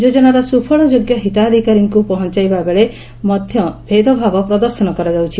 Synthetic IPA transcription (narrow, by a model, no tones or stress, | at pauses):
d͡ʒod͡ʒɔnaɾɔsupʰɔɭɔd͡ʒoɡjɔɦit̪aːd̪ʱikaɾiŋkupɔɦɔnt͡ʃajbabeɭe | mɔd̪ʱjɔbʱed̪ɔbʱaɡɔpɾɔd̪ɔɾsɔnɔkɔɾad͡ʒawt͡ʃʰi